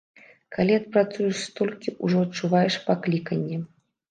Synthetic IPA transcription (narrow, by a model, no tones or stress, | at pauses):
kʰalʲiɐt̪̚pɾat̪sujuʂst̪ɔlʲkʲiʔuʐɔɐt̪̚t͡ʂːuvajɛʂpaklʲikɐnʲːɛ